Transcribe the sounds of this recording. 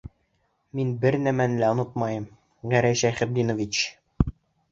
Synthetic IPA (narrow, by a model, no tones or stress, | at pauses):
minbɘɾnæmænɘ̆læŏnɤt̪̚mɑjɤm | ʁæɾæjʃæjχɘ̆b̚d̪inŏvʲit͡ɕ